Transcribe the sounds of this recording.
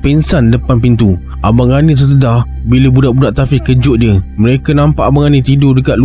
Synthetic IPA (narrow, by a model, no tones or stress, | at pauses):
pinsandəpanpint̪u | ʔabaŋɡanĩs̬əs̬ədah | biləbudaʔbudaʔt̪afikəd͡ʒʊʔdiəməɾekanãmpaʔabaŋanĩt̪idʊdəkat̪̚lu